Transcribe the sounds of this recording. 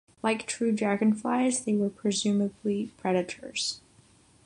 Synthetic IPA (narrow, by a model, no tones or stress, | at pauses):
laɪktʰɹ̥ʉd͡ʒæɡɨ̃nfla̰ɪzðeɪwə˞pʰɹ̥ɨzʉməblipʰɹ̥ɛɾɨɾʰə̰˞z̥